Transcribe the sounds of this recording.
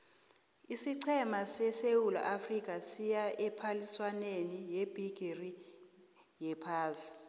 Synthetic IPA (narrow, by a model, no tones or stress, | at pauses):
isiǀʰɛmasɛsewula̰ʔafrik̬ʼasijaʔɛpʰaliswanenijeb̥ʱiɡ̥ʱiri | jɛpʰaːsi̥